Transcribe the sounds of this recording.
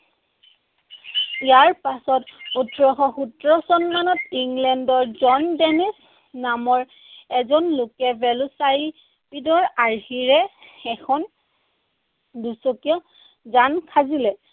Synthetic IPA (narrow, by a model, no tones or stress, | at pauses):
ijaɹpasɔtutɹɔxɔxutɹɔsɔnmanɔtiŋlɛndɔɹzɔndɛnis | namɔɹ | ɛzɔnlʊkɛbɛlʊsaɹi | pidɔɹaɹhiɹɛɛkʰɔn | dusokijɔ | zankʰazilɛ